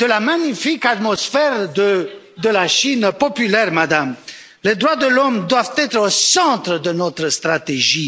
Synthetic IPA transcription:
d̪̥əlamaɲifikat̪mɔsfɛʁə | d̪əlaʃinpɔpylɛʁmad̪am | led̪ʁwad̪əlɔmd̪wavt̪ɛt̪χosɑ̃t̪ɾəd̪ənɔt̪ɾəst̪ʁat̪eʒi

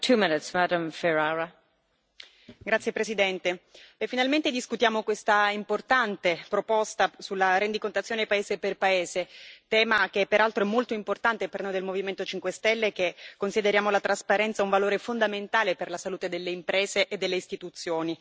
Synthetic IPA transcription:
tʰʉmɪnɪtsmadə̃mfɛɹaɹə | ɡɾat̪sjepɾesid̪ɛnt̪eefinalment̪ed̪iskut̪jaːmokwest̪aimport̪ant̪epɾopɔst̪asulːaɾend̪ikont̪at̪sjoːnepaeːzeperpaeːzet̪ɛːmakepːeɾalt̪ɾoɛmːolt̪oimport̪ant̪epernojd̪elmoviment̪ot͡ʃiŋkwest̪ɛlːekekːonsid̪eɾjaːmolat̪ɾaspaɾɛnt̪sauɱvaloːɾefond̪ament̪aːleperlasaluːt̪ed̪elːeimpɾeːzeʔed̪ːelːeist̪it̪ut̪sːjoːni

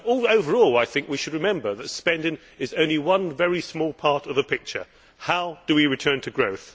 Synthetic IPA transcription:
ɔoʊvə˞ɔlˠaɪθɪ̃ŋkwiʃɨd̚ɹɨmɛ̃mbə˞ðɨtspɛ̃ndɪ̃ŋ | ɨzõʊ̃nliwʌ̃nvɛɹismɔlˠpʰɑɹɾʌvðɨpʰɪk̚t͡ʃə̰˞ | haʊd̥ɨwiɹɨtʰɜ̃˞ntʰɨɡɹoʊθ

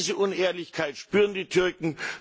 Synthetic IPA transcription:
zəʔʊneːɐlɪçkʰaɪtʃpyːʁəndiːtʰʏɐkŋ̩

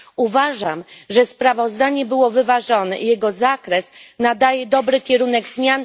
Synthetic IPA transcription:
uvaʐamʐɛspɾavɔzd̪aɲɛbɘwɔvɘvaʐɔnɛ̰jɛɡɔzakɾɛsnad̪ajɛd̪ɔbɾɘkʲɛɾunɛɡzmʲjan

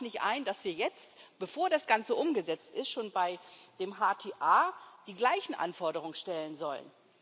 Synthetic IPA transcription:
nɪçtʔa̰ɪndasv̥iːɐjɛt͡stb̥əfoːɐɾasɡ̥ant͡səʔʊmɡəzɛt͡stʔɪstʃoːnbaɪd̥eːmɦaːtʰeːʔaːd̥iːɡlaɪçn̩ʔa̰nfɔɐɾəʁ̞ʊŋənʃtɛlənzɔlə̰n

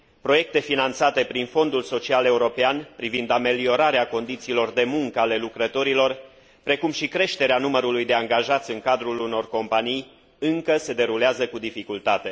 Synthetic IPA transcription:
pɾo̞je̞k̚t̪e̞finant̪sat̪e̞pɾinfo̞nd̪ulso̞t͡ʃiale̞uɾo̞peanpɾivind̪ame̞lio̞ɾaɾeako̞nd̪it̪siːlo̞rd̪e̞muŋkəale̞lukɾət̪o̞ɾilo̞r | pɾe̞kumʃikɾe̞ʃt̪e̞ɾeanuməɾulujd̪e̞aŋɡaʒat̪sʲɨŋkad̪ɾuluno̞rko̞mpanij | ɨŋkəse̞d̪e̞ɾuleazəkud̪ifikult̪at̪e̞

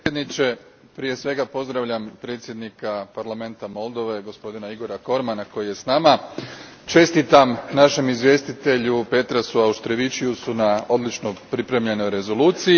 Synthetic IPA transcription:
ed̪nit͡ʃe̞ | pɾije̞sʋe̞ɡapo̞zd̪ɾaʋʎampɾe̞ːt̪sʲje̞d̪nikapaɾlame̞nt̪amo̞lˠd̪o̞ʋe̞ɡo̞spo̞d̪inaiɡo̞ɾako̞ɾmanako̞jije̞snama | t͡ʃe̞st̪it̪amnaʃe̞mizʋje̞ːst̪it̪e̞ʎupe̞t̪ɾasuauʃt̪ɾeʋit͡ʃiusunao̞d̪lit͡ʃno̞pɾipɾe̞mʎe̞no̞jɾe̞zo̞luːt̪si

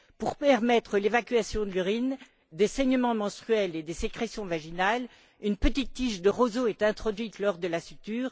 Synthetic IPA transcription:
puʁpɛʁmɛt̪χəlevakʲɥasjɔ̃d̪ələʁin | d̪esɛɲəmɑ̃mɑ̃st̪χyɛled̪esekχesjɔ̃vaʒinal | ynpət̪it̪ːiʃd̪əʁozoɛt̪ɛ̃t̪χɔd̪ɥit̪lɔʁd̪əlasyt̪yːʁ

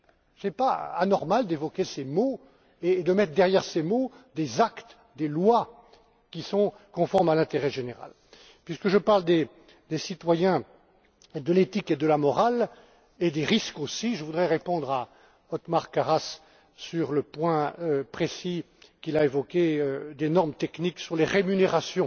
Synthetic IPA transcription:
sɛpa̰a̰nɔʁmald̪evɔkʲesemo | eːd̪əmɛt̪χd̪ɛʁjɛʁsemod̪ezakt̪ | d̪elwa | kʲisɔ̃ | kɔ̃fɔʁmalɛ̃t̪eʁɛʒeneʁa̰l | pɥiskəʒəpaʁld̪e | d̪esit̪wajɛ̃ | d̪əlet̪iked̪əlamɔʁal | ed̪eʁiskosiʒəvud̪ʁɛʁepɔ̃d̪ʁa | ɔt̪maʁkaʁas | syʁləpwɛ̃øpχesi | kʲilaevɔkʲeød̪enɔʁmt̪ɛkniksyʁleʁemyneʁasjɔ̃

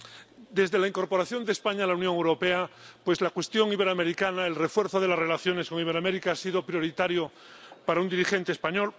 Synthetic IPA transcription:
d̪e̞zðe̞laiŋko̞ɾpo̞ɾaθjo̞nd̪espaɲalaunjõŋewɾo̞peapwe̞zlakwe̞st̪jo̞ŋiβ̞e̞ɾame̞ɾikanaelre̞fwe̞ɾθoð̞e̞lazre̞laθjo̞nesko̞ŋiβ̞eɾameɾikaasiðo̞pɾjo̞ɾit̪aɾjo | paɾaund̪iɾixe̞nt̪espaɲol

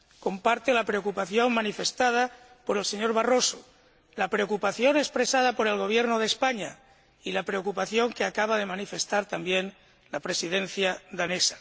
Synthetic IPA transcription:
ko̞mpaɾt̪elapɾeo̞kupaθjo̞ŋmanife̞st̪að̞a | po̞ɾe̞lseɲo̞ɾβaro̞so | lapɾeokupaθjo̞nespɾe̞sað̞apo̞ɾe̞lɣ̞o̞β̞jeɾnoð̞espaɲa | ilapɾeo̞kupaθjo̞ŋkeakaβ̞aðe̞manife̞st̪aɾt̪ambjen | lapɾe̞sið̞en̟θjad̪anesḁ

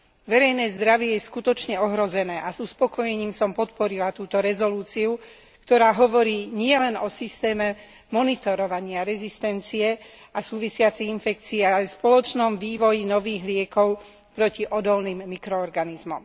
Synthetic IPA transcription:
ʋɛɾɛjnɛːzd̪ɾaʋɪɛjɛskut̪ɔt͡ʃɲɛɔɦɾɔzɛnɛːʔazuspɔkɔjɛɲiːmsɔmpɔt̪pɔɾilat̪uːt̪ɔɾɛzɔluːt͡siu | kt̪ɔɾaːɦɔʋɔɾiːɲɪɛlɛnɔsist̪ɛːmɛ | mɔnit̪ɔɾɔʋaɲɪaɾɛzist̪ɛnt͡siɛ | asuːʋisɪat͡sɛinfɛk̚t͡siːalɛspɔlɔt͡ʃnɔmʋiːʋɔjinɔʋiːɣlɪɛkɔʊ | pɾɔciʔɔd̪ɔlniːmːikɾɔːɾɡanizmɔ̰m

